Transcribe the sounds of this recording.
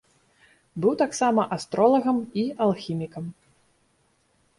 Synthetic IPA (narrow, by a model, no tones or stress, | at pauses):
bɨwt̪aksamɐʔast̪ɾɔlˠɐɣɐmialˠxʲimʲikɐm